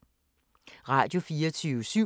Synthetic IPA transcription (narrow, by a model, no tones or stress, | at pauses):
ʁɑ̰̈ːd̥jo̝fiːɐt͡sʰyːʊəsy